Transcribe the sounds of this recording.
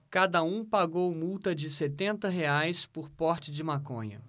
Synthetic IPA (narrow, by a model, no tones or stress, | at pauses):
kad̪ɐũpaɡowmuwt̪ɐd͡ʒɪset̪ẽnt̪ɐɦeajspʊɾpɔɾt͡ʃɪd͡ʒɪmakõ̰ɲɐ̰